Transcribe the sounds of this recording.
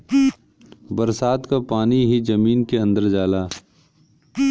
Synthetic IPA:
bəɾsaːd̪kapaːniɦid͡ʒəmiːnkeə̃nd̪əɾd͡ʒaːlaː

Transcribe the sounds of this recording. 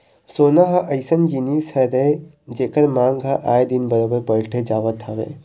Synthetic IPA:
soːnaɦɐʔɐjsənd͡ʒiniːshɛɾe | d͡ʒeːkəɾmãːŋɡɦaʔaːjd̪inbɐɾəbəɾbɐɽʈʰed͡ʒaːʋət̪ʰɐʋḛː

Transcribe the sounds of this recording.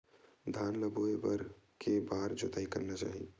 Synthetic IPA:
d̪ʱaːnləboːebəɾkʰebaːɾd͡ʒot̪aːikəɾnat͡ʃa̰ːɦi

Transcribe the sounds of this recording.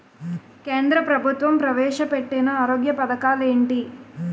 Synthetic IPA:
keːnd̪ɾɐpɾɐbʱut̪ʋɐmpɾɐʋɛːʂɐpeʈːinɐaːɾoːɡjɐpɐd̪ɐkaːle̞ːɳʈi

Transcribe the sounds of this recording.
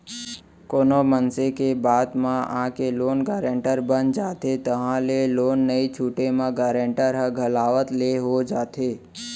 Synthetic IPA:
koːnomənsekebaːd̪mãã̰keloːnɡaːɾẽɳʈəɾbənd͡ʒaːt̪et̪əɦãleloːnːəit͡ʃʰuːʈemãɡaːɾẽɳʈəɾɦə̃ɡʱəlaːʋət̪leɦod͡ʒaːt̪ʰe

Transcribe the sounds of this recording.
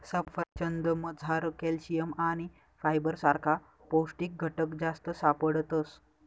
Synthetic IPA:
səfət͡ɕənd̪əməd͡zʱaɾkelɕijəmaɽ̃i | fajbəɾsaɾkʰa | posʈiːk̚ɡʱəʈəkd͡zast̪əsapəɽt̪əs

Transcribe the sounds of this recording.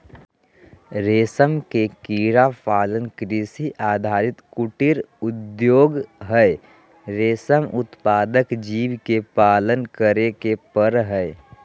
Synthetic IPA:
ɾeːsəmkekiːɾapaːlənkɾisiʔaːd̪ʱaːɾɪt̪kʊʈɪɾʊd̪joːɡɦɛɪ | ɾeːsəmʊt̪paːd̪əkd͡ʒiːʋkepaːlənkəɾekepəɾɦɛɪ

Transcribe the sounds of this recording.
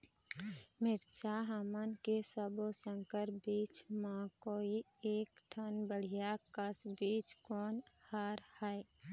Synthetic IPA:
mɪɾt͡ʃaɦamənkesəbosə̃ŋkəɾbiːt͡ʃmãkoːi | eːkʈʰənbəɽ̤ijakəsbiːt͡ʃkɔːnhaːɾhɛe

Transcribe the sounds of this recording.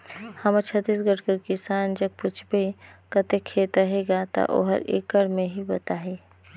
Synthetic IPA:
hɐmət͡ʃʰət̪ːiːs̬ɡəʈkəɾkɪsaːnd͡ʒɐɡ̚pʊt͡ʃʰbekət̪ekʰːeːt̪əɦeɡat̪ɐ̰ʔo̰ɦə̰ɾḛːkəɽmẽɦibɐt̪aːɦeː

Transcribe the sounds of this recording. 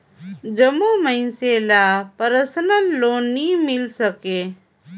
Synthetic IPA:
d͡ʒəmuːməĩseːlaːpəɾəsənəlːoːniːmɪlsəkeː

